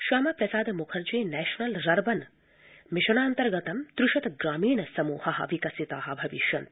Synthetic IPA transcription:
ʃaːmɐpɾɐsaːd̪mukʰɐɾd͡ʒiːnɛːʃɐnɐlɾɐɾbɐn | mɪʃɐɳaːnt̪ɐɾɡɐt̪ɐmt̪ɾuʃɐt̪ɡɾaːmiːɳɐsɐmuːhɐɦɐ̰ʋikɐsit̪aːɦɐ̆bʱɐʋiʃjɐnt̪

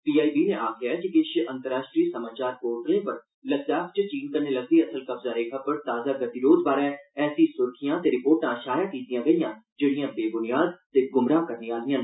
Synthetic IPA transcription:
piːaːibiːnẽʔaːkɪjakikɪʃʔɐ̃nt̪əɾaːʃʈɾiːsɐmaːt͡ʃaːɾkoːʈlẽpɐɾ | lɐzaːkt͡ʃət͡ʃiːnkɐɾnelɐɡ̚d̪iɐsəlkɐbzaɾeːkʰapɐɾt̪aːzaɡɐt̪iɾoːzbaːɾɛ̃ɛːsisʊɾkʰijãt̪eɾɪpoːɾʈãʃaːjakiːt̪ijãɡɐijãːd͡ʒeːɽijãːbeːbʊnijaːd̪̚seɡʊmɾaːkɐɾneaːlijãː

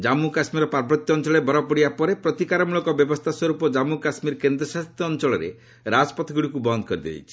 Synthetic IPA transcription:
d͡ʒamukasmiɾɔpaɾbɾɔt̪jɔːnt͡ʃɔɭɔebɔɾɔpɔɽiapɔɾepɾɔt̪ikaɾɔmuɭɔkɔbjɔbɔst̪ʰaswɔɾupɔd͡ʒamukasmiɾkend̪ɾɔsast̪ːɔːnt͡ʃɔɭɔɾḛ | ɾad͡ʒpɔt̪ʰɔɡuɽikubɔnd̪ɔkɔɾid̪ḛḭt͡ʃʰi̥

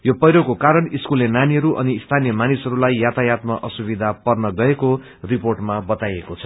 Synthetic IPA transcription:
jopʌjɾokokaɾʌniskulːenaniɦʌɾuʔʌ̰niːst̪ʰanijʌmanisɦʌɾulajːat̪ajat̪maʔʌsubid̪ʱapʌrnʌɡʌeko | riporʈmabʌt̪ajekot͡sʰʌ̥

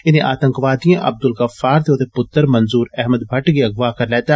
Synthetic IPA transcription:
ɪnẽʔaːt̪ɐ̃ŋkʋaːd̪ijãʔɐ̰b̚d̪ʊlkɐfaːɾt̪eoːt̪epʊt̪ːəɾmɐ̃nzuːɾɛɦməd̪bʱɐʈɡiɐɡʋaːkɐɾleːt̪a

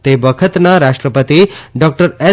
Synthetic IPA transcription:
t̪ebəkʰət̪naɾaʂʈɾəpət̪iɖɔk̚ʈəɾe

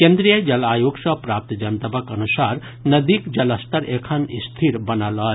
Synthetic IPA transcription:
kẽnd̪ɾijəd͡ʒɐlaːjoːɡsɐpɾaːp̚t̪d͡ʒɐnt̪ɐbəkɐnusaːɾ | nɐd̪ikd͡ʒɐləst̪əɾeːkʰɐnist̪ʰiɾbɐnalɔː

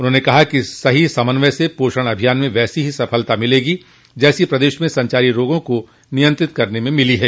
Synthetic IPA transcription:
ʊnɦõːnekɐɦakisɐɦisɐmənʋɛsepoːʃəɽ̃ɐbʱijaːnmẽʋɛːsiɦisɐpʰəlt̪amɪleːɡi | d͡ʒɛːsipɾɐd̪eːʃmẽsɐ̃ɲt͡ʃaːɾiɾoːɡõko | nɪjə̃nt̪ɾɪt̪̚kɐɾnemẽmɪliɦɛː

